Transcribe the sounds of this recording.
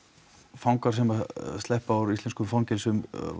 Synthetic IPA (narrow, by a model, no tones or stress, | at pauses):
fawŋkaɾ̥sɛmast̪lɛhpaawɾist̪ɛnskʏmfancɪlsʏm